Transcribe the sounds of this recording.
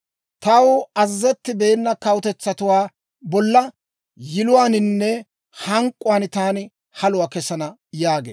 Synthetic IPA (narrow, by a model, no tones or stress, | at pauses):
t̪ɐwɐzːɛt̪ːɪbe̞ːnːɐkɐwʊt̪ɛt͡sːɐt̪ʊwaː | bɔlːɐ | jɪlʊwaːnɪnːɛ | hɐŋkʼːʊwaːnt̪aːnɪ | hɐlʊwaːkɛsɐnɐ | jaːɡḛː